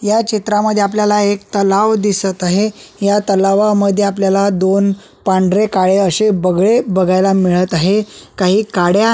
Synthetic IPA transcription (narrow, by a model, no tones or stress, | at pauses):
jat͡ɕit̪ɾaməd̪ʱjeapljalaek̚t̪əlaʋd̪isət̪aɦejat̪əlaʋaməd̪ʱjeapljalad̪on | paɳɖɾekaɭeəɕebəɡɭebəɡʱajlamiɭət̪aɦekaɦiːkaɽja